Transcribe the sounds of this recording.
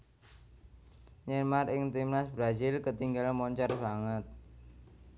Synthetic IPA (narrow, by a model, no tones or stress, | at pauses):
ɲɛmarɪŋt̪imnasbɾazɪlkət̪iŋɡalmɔɲt͡ʃɔrbaŋət̪̚